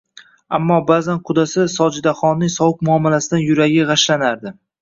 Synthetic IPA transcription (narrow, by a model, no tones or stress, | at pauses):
a̰mːɒbazanqʰʊd̪asɪsɒd͡ʒɪd̪aχɒnːɪŋsɒwʊk̚mʊɒmːalasɪd̪anjʊɾaɡʲɪʁaʃlanaɾd̪ɪ